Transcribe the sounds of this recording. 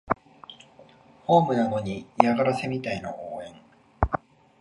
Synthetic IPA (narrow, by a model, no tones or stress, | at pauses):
ho̞ːmɯ̟naɡ̪o̞ɲ̟ijaɡaɾase̞mʲit̪aino̞̰ʔoːẽ̞ŋ